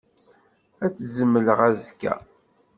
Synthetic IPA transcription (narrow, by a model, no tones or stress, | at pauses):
æt͡sːzəmːələʁæzkːæ̰